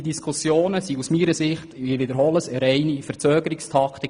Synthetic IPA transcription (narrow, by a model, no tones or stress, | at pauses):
d̪iskʰusjoːnəsiusmiːɾəsɪχt̪ɪʋɪd̪əɾɦɔləsəɾɛɪnifəɾt͡søːɡəɾɪkst̪ʰɑkʰt̪ik